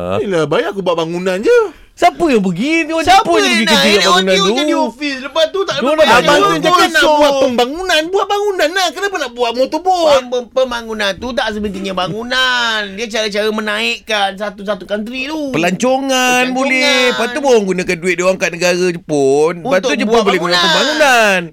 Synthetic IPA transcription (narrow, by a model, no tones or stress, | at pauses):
ilabajakubuaʔ̚baŋunand͡ʒə | sapəjaŋpəɡit̪usapəjabikənd͡ʒiɡaʔbaŋunãnt̪uiɔfisləpat̪ut̪aʔəanaabaʊnanabuaəmbaŋunanbuaʔ̪̚baŋunanːahkənapənaʔbuaʔmot̪ubʊnpəmbaŋunant̪ut̪aʔs̬əbənt̪̬iŋɲabaŋunandiat͡ʃaɾat͡ʃaɾəmənaiʔkansat̪usat̪ukant̪̬ɾit̪upəlaɲt͡ʃoŋanbolɛpat̪ubawaŋɡunãkanduɪt̪̚diwaŋkaʔ̪̚nəɡaɾəd͡ʒəpʊnupat̪ud͡ʒəabolɛhɡunapəmbaŋunan